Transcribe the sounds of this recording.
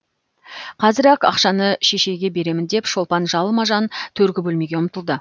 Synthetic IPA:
qʰɑzɪɾɑqɑ̰qʃɑnəʃe̞ʃe̞jɡʲe̞be̞ɾe̞mɪnd̪e̞pʃo̞lˠpɑnʒɑlˠəmɑʒɑnt̪ʰɵɾɡʲɪbɵlme̞ɡʲe̞ʊmət̪əlˠd̪ə

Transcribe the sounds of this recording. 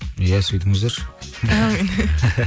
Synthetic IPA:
jæsed̪ɪŋɪzd̪eɾ

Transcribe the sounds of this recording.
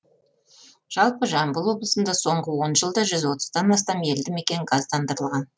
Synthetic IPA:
ʒ̥ɑlˠpəʒɑmbəlˠwo̞blˠəsənd̪ɑso̞ɴʁəwo̞nʒəlˠd̪ɑʒʏzwo̞t̪ə̥zd̪ɑnɑst̪ɑme̞ld̪ɪme̞kʲe̞ŋɡɑzd̪ɑnd̪əɾəlˠʁɑn

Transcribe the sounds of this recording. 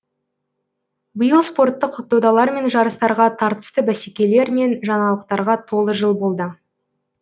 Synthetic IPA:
bəjəlˠspo̞rt̪ːəqʰːop̚t̪owd̪ɑlˠɑɾme̞nʒɑɾəst̪ɑɾʁɑt̪ʰɑɾt̪ə̥st̪əbæsekʲe̞le̞ɾme̞nʒɑɴɑlˠəqt̪ɑɾʁɑt̪ʰo̞lˠəʒəlˠbo̞lˠd̪ə

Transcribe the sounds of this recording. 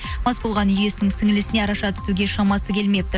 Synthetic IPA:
mɑsbo̞lˠʁɑnʏje̞sɪnɪŋsɪŋɪlɪsɪne̞ɑɾɑʃɑt̪ʰʏ̥suɡʲe̞ʃɑmɑsəkʲʰe̞lme̞p̚t̪ɪ

